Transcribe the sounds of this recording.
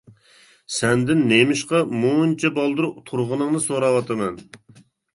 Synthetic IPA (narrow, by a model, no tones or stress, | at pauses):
sɛnd̪ɪnːemɪʃqɑmunt͡ʃʰɛbɑlˠd̪ɨɾut̪ʰuɾʁʊnəŋnɨsoɾɑwɑt̪ʰɨmɛn